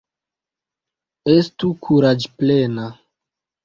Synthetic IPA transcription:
estukʰuɾad͡ʒplena

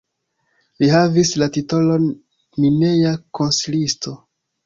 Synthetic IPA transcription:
lihavislatito̞lo̞n | mine̞jako̞nsilisto̞

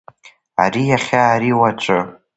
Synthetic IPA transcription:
a̰rijaχʲaːɾiwat͡ʃʷʼɨ

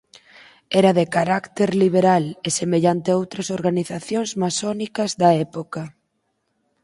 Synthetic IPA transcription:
ɛɾɐðekaɾakt̪eɾliβ̞eɾalesemeʎant̪eowt̪ɾɐsoɾɣaniθaθjoŋzmasɔnikɐzðɐɛpokɐ

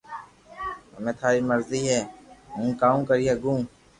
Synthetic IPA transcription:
əmẽːt̪ʰaːɾiːməɾziːɦɛːɦũːkaːũːkəɾiːɦɛːɡũː

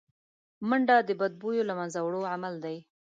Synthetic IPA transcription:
məɳɖɑd̪əbad̪̚bujolamanzawɽoʕamald̪aj

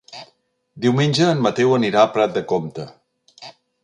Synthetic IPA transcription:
d̪iwmenʲd͡ʒəːnmət̪ewəniɾapɾɛt̪̚d̪əkomt̪ə

